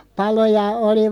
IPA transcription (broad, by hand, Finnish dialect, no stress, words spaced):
pɑlo jɑ oli